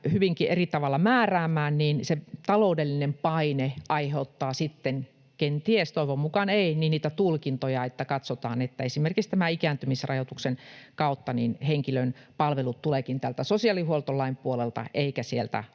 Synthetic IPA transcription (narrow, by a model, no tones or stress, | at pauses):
hyʋiŋkiʔerit̪ɑʋɑlːɑmæːræːmːˑæːnniːnset̪ɑloˑudelːinempɑineʔɑiheut̪ːɑːsit̪ːen | kent̪iest̪oiʋommukɑneininniːt̪æt̪ulkint̪ojɑet̪ːækɑt̪sot̪ɑːnet̪ːæesimerkikst̪æmæikæːnt̪ymisrɑjot̪uksenkɑut̪ːɑninheŋkilønpɑlʋelut̪t̪ulekint̪ælt̪æsosiɑlihuolt̪olːɑimpuolelt̪ɑ̰ʔeikæsielt̪æ̰